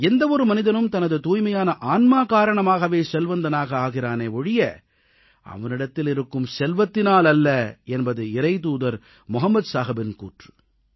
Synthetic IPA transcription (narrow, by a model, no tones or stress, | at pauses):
ɛnd̪ɐɔɾɯmɐnɪðɐnɯmt̪ɐnɐðɯt̪uːjmɐjaːnɐʔaːnmaːkaːɾɐɳɐmaːɣɐʋeːsɛlʋɐnd̪ɐnaːɣɐaːɣɪɾaːneːɔɻɪjɐ | ʔɐ̰ʋɐnɪɽɐt̪ːɪlɪɾɯkːɯmsɛlʋɐt̪ːɪnaːlɐlːɐɛnbɐðɯɪɾɐɪt̪̬uːðɐɾ | mʊɦɐmːɐd̪saːɣɐbɪnkuːʈrɯ